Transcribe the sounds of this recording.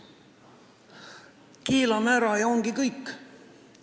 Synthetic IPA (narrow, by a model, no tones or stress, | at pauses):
kiːlɑmæɾɑjɑoŋɡikɤjkː